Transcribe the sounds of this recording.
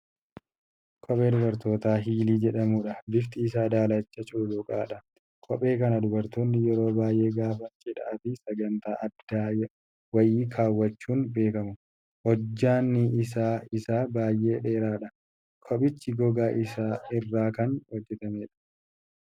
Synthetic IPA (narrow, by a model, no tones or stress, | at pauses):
kʰɔpʼe̞ːd̪ʊbɐɾt̪o̞ːt̪aːɦiːliːd͡ʒɛᶑɐmuːᶑɐbɪft̪ɪːsaːd̪aːlɐt͡ʃːɐt͡ʃʼulʊkʼaːᶑɐ | kʰɔpʼe̞ːkɐnɐd̪ʊbɐɾt̪oːnːɪjɛɾo̞ːbaːjʔe̞ːɡaːfɐnt͡ʃʼɪᶑɐ̰ʔɐt̪ɪsɐɡɐnt̪aːʔɐd̪aːj | wɐjiːkʰaːwːɐt͡ʃːuːnbe̞ːkɐmʊ | hɔd͡ʒːaːnːɪɪs̬aːɪsaːbaːjʔːe̞ːᶑeːɾaːᶑɐ | kʰɔɓɪt͡ʃːɪɡɔɡaːʔɪsaːɪrːaːkɐnhɔd͡ʒːɛt̪ɐmeːᶑɐ̥